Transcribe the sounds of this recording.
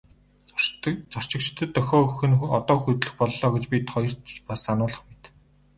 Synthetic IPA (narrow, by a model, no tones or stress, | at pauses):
t͡sɔr̥t͡ɕɪ̆k̚t͡ɕt̪ʰə̆t̪ʰːœxʲɔːxɘ̆nɔt̪ɔːxut̪ɮɘ̆xpɔɮːɔːɡet͡ɕpʲit̪ʰχɔjɞ̆r̥pasːanʊːɮə̆χmet̪